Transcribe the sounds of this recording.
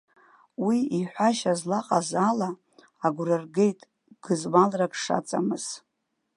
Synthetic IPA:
wiiħʷaʃazlaqʼazalaː | ɡʷrɨrɡe̞jtʼ | ɡ̥ɨzmalrakʼʂa̰t͡sʼa̰mɨz̥

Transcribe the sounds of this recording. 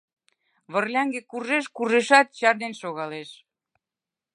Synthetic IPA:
βərlʲɑŋɡekuʒeʃkuʒeʃɑt̪̚t͡ɕɑrd̪enʃoɣɑleʃ

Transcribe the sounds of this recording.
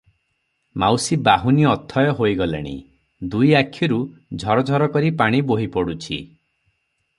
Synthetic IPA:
mawsibaɦuniɔt̪ʰɔjɔɦojɡɔlḛɽ̃ḭ | d̪ujakʰːiɾud͡ʒʱɔɾɔd͡ʒʱɔɾɔkɔɾipaɽ̃iboɦipɔɽut͡ʃʰḭ

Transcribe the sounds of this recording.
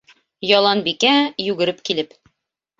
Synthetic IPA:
jɒlˠɑnbikæjʉɡɘ̆ɾɘpkilɘp

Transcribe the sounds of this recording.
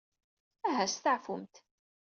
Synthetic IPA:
æɦæst̪aʕfʊmt̪

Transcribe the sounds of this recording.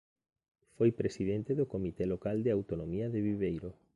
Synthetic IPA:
fojpɾesiðent̪eðokomit̪ɛlokald̪eawt̪onomiaðeβiβejɾo

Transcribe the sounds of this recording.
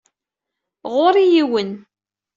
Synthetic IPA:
ʁʊɾˤijiwən

